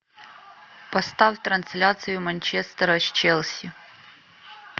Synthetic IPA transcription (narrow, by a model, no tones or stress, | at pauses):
pɐst̪awt̪rɐnsʲlʲat̪sɨjʊmɐnʲt͡ʃest̪ɐɾɐʃt͡ʃelˠsʲɪ